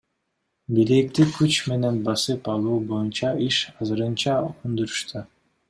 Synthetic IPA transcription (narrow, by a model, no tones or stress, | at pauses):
biɾek̚t̪ikʰyt͡ʃme̞ne̞nbɑsɯpɑlˠuːbo̞junt͡ʃɑiʃɑzɯɾɯnt͡ʃɑund̪uɾu̥ʃt̪ʰu